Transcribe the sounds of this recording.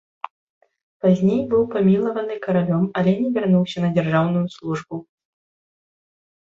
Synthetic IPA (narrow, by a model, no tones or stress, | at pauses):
pazʲnʲejbɨwpamʲilˠɐvɐnɨkɐɾalʲɔmɐlʲɛnʲɛvʲɛrnuwsʲɐnɐd͡zʲɛrʐawnujuslˠuʐbu